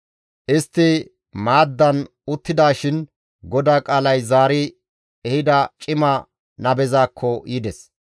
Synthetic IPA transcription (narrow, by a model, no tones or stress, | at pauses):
ʔɪst̪ːɪ | maːd̪ːɐn | ʊt̪ːɪd̪aːʃɪn | ɡɔd̪aːkʼaːlɐjzaːɾɪ | ɛhɪd̪ɐt͡ʃʼɪmɐ | nɐbɛzaːkʰːɔjɪd̪ɛs